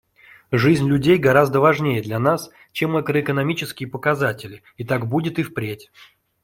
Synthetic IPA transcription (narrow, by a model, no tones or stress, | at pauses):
ʐɨzʲnʲlʲʉdʲejɡɐɾazd̪əvɐʐnʲejəd̪lʲɐnas | t͡ɕe̞mɐkɾəɪkənɐmʲit͡ɕɪskʲɪjəpəkɐzatʲɪlʲɪ | it̪akbudʲɪt̪ɨfpɾʲetʲ